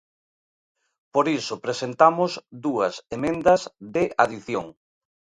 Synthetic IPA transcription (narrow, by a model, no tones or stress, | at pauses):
poɾisʊpɾesent̪amʊzðuɐsemẽnd̪ɐzðɪʔaðiθjo̰ŋ